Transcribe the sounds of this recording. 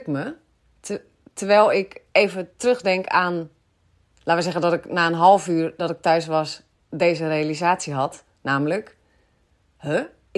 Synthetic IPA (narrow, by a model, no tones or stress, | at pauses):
kmə | tʰərʋɛːlˠɪkeːvətrøxdɛŋkaːn | latʋəsɛɣəndɔtɪknaːənɦɔlˠfyːrdɔtɪk̚tœɥsʋɔs | deːzərealizaːsjəɦɔt | naːmlək | hə